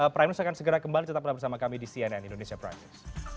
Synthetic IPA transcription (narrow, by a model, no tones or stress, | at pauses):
əpɾajmlɪsakansəɡəɾakəmbalit͡ʃət̪ap̚labərsamakamidisiɛnɛnindonesiapɾa̰jmɪ̰s